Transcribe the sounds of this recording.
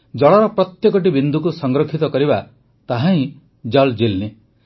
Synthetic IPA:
d͡ʒɔɭɔɾɔpɾɔt̪jekɔʈ̬ibind̪ukusɔŋɡɾɔkʰit̪ɔkɔɾiba | t̪aɦãĩ | d͡ʒɔld͡ʒilne

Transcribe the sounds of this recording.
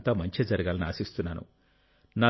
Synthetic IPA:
nt̪aːmɐɲt͡ʃeːd͡ʒɐɾiɡaːlɐnia̰ːsist̪unːaːnṵ | naː

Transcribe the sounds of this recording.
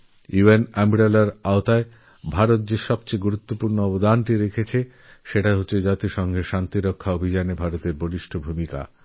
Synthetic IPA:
juenɛmiɾelaɾaot̪ae | bʱaɾot̪̚d͡ʑeʃɔbt͡ɕeɡuɾut̪ːopuɾnoɔbod̪anʈiɾekʰet͡ɕʰe | ʃeʈaɦotːɕed͡ʑat̪iʃɔŋɡʱeʃant̪iɾokʰːaobʱid͡ʑanebʱaɾot̪eɾboɾiʃʈʰobʱumika̰

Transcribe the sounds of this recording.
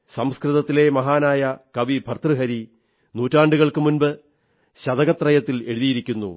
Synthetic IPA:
sɐmskrɨðɐt̪ːile̞mɐɦaːnaːjɐkɐʋibʱɐrt̪rɨɦɐɾi | nuːtːaːɳɖuɣɐɭkɨmunbɨ | ɕɐðɐɣɐt̪ːrɐjɐt̪ːile̞ɻuðijiɾikʲːunːṵ

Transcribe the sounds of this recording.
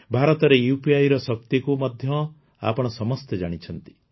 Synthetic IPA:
bʱaɾɔt̪ɔɾejupiajɾɔsɔk̚t̪ikumɔd̪ʱjɔ | a̰pɔɽ̃ɔsɔmɔst̪ed͡ʒaɽ̃it͡ʃʰɔnt̪i̥

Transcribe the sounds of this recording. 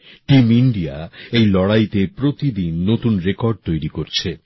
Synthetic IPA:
ʈimiɳɖijaejlɔɽajt̪epɾot̪id̪inːot̪unɾekɔɾɖ̚t̪ojɾikoɾt͡ɕʰe

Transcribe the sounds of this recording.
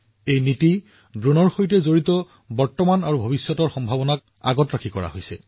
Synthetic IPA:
ejniti | dɹunɔɹxojtɛzoɹitɔ | bɔɹtɔmanaɹubʱobisjɔtɔɹxɔmbʱabɔnak̚ | a̰ɡɔtɹakʰikɔɹa̰ɦojsɛ̰

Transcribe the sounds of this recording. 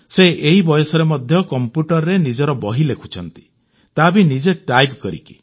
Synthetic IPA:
seʔeɦibɔjɔsɔɾemɔd̪ʱjɔkɔmpjuʈɔɾɾenid͡ʒɔɾɔbɔɦilekʰu̥t͡ʃʰɔnt̪i̥ | t̪abinid͡ʒeʈajbkɔɾḭki̥

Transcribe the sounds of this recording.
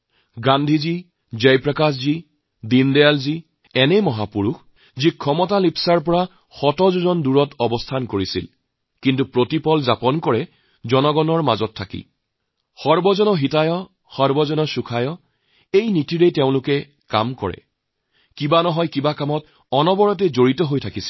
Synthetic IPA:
ɡandʱizi | zejpɹakaszi | dindɛjalzi | ɛnɛmɔɦapuɹux | zikʰɔmɔtalipsaɹp̬ɔɹa | xɔtɔzuzɔnduɹɔtɔbɔstʰankoɹisḭl | kintupɹotipɔlzapɔnkɔɹɛ | zɔnɔɡɔnɔɹmazɔtʰːakḭ | xɔɹbɔzɔnɔɦitajɔ | xɔɹbɔzɔnɔsukʰajɔ | ejnitiɹeteʊ̃lʊkɛ | ka̰mkɔ̰ɹɛ̰ | kibanɔɦɔjkibakamɔt | ɔnɔbɔɹɔt̬ɛzoɹitɔɦojtʰakisi̥

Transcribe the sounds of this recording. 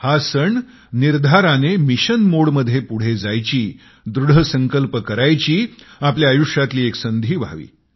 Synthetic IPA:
hasəɳ | niɾd̪ʱaɾanemiɕənmoɽməd̪ʱːjepuɽ̤ed͡zajt͡ɕiː | d̪ɾuɽ̤ʱəsəŋkəlpəkəɾajt͡ɕiːapljaːjuʂjat̪liːeksənd̪ʱiːʋa̰ʋḭː

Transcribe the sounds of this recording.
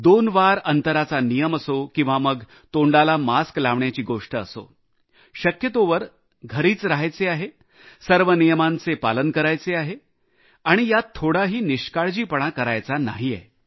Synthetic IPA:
d̪onʋaɾənt̪əɾat͡sanijəməsokĩw̃ʋaməɡ | t̪oɳɖalamasklaʋɳjat͡ɕiːɡoʂʈəəso̰ | ɕəkjət̪oʋəɾ | ɡʱəɾiːt͡sɾaɦajt͡seaɦe | səɾʋənijəmant͡sepalənkəɾajt͡seaɦe | aɽ̃ijat̪ʰːoɽaɦiːniɕkaɭd͡ʑiːpəɽ̃akəɾajt͡sana̰ɦijḛ

